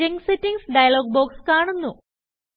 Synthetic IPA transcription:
iŋsetːiŋɡsɖɐjɐloːɡ̚bo̞ːkskaːɳunːu

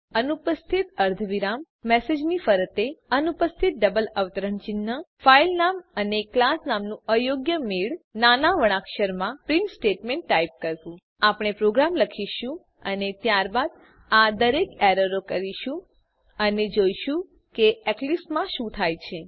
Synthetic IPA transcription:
ənupəst̪ʰit̪əɾd̪ʱʋiɾamːɛsed͡ʒnifəɾət̪eənupəst̪ʰit̪̚ɖəbələʋt̪əɾəɳt͡ʃɪnːəfailnaməneklasnamnũəjoɡjəmiɭnanaʋəɽ̃akʃəɾmãpɾinsʈeʈmeɳʈːaip̚kəɾtũ | apɽ̃epɾoɡɾamləkʰiʃũ | ənet̪jaɾbad̪ | ad̪əɾekeɾəɾokəɾiʃũ | əned͡ʒojʃũ | keɛklismãʃũt̪ʰajt͡ʃʰe

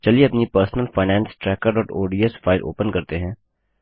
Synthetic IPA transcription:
t͡ʃɐlieɐpnipəɾsnəlfaːɪnɛ̃ːnsʈɾɛːkəɾɖɔːʈoːɖiːesfaːɪlʔo̰ːpənkɐɾt̪eɦɛ̃ː

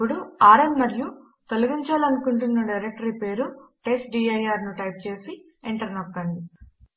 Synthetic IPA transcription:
uɽuaːɾɐmmɐɾju | t̪oluɡiɲt͡ʃaːlɐnukuɳʈunːɐɖɐjɾek̚ʈɐɾipe̞ːɾuʈesʈɖiːɐjaːɾnuʈɐjp̚t͡ʃe̞ːsi | eɳʈɐɾɐnɐkːɐɳɖi

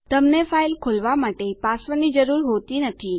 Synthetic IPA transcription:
t̪əmnefailkʰolʋamaʈepasʋənid͡ʒəɾuɾɦot̪inət̪ʰi

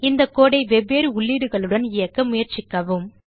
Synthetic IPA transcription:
ɪnd̪ɐkːoːɽɐɪʋɛbeːɾɯʊɭːiɽɯɣɐɭɯɽɐnɪjɐkːɐmʊjɐɾt͡ʃɪkːɐʋɯm

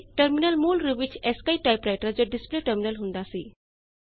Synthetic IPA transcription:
ʈəɾminəlmuːlɾubit͡ɕʰeskajʈajpɾajʈəɾd͡ʑoɖispleʈəɾminəlɦũnd̪asi

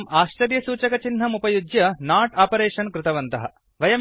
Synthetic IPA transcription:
maːʃt͡ʃɐɾjɐsuːt͡ʃɐkɐt͡ʃinɦɐmupɐjud͡ʒjɐnaːʈaːpɐɾeːʃɐnkɾɪt̪ɐʋɐnt̪ɐɦɐ | ʋɐjɐm

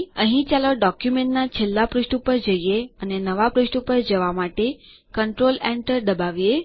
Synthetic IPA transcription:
əɦĩt͡ʃaloɖɔkjumẽɳʈnat͡ʃʰelːapɾiʃʈupəɾd͡ʒəieənenəʋapɾiʃʈupəɾd͡ʒəʋamaʈe | kəɳʈɾolɛɳʈəɾd̪əbaʋije

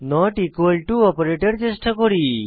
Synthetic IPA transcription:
nɔʈikʋəlʈuɔpɾeʈeɖt͡ʃesʈakɔɾi

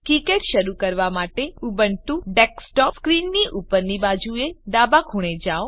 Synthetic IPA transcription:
kikeʈʃəɾukəɾʋamaʈeubəɳt̪ũɖeksʈɔskɾinːiʔupəɾnibad͡ʒued̪abakʰuɽ̃ed͡ʒao

